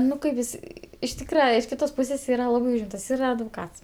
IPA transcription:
ˈnʊ kɐɪ ˈʋʲɪsʲɪ ɪʃ ˈtʲiːkrɐ ɪʃ ˈkʲɪtoːs ˈpuːsʲeːs ˈiːrɐ ˈlˠɑːbɐɪ ˈuːʒʲɪmtɐs ˈiːrɐ ɐdʋoːˈkɐts

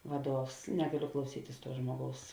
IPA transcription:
ˈʋɑːˌduɔws ˈnʲæːɡɐˌlʲʊ klˠɐʊˈsʲiːtʲɪs ˈtuɔ ˈʒmuɔˌɡɐʊs

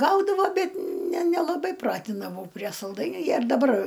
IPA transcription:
ˈɡɐʊdɐʋoː ˈbʲɛt nʲɛ ˈnʲæːlˠɐbɐɪ ˈprɑːtʲɪndɐʋɐʊ pʲrʲiɛ sɐlˠˈdɐɪnʲuː ˈjiɛ ɪr dɐˈbɐr

